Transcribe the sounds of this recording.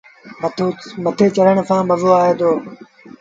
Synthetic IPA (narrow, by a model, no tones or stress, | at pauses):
mət̪ʰoːmət̪ʰeːt͡ʃəɾəɳsʰãːbəzoːaːɦeːd̪oː